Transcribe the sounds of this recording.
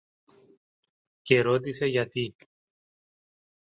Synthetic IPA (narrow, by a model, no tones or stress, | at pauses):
ce̞ɾo̞t̪̬ise̞ʝɐt̪i